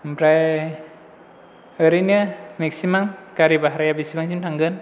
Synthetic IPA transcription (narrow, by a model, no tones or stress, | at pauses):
mpɾaj | əɾiniameksimaŋkaɾibaɦaɾajabisimaŋsimtʰaŋɡɯn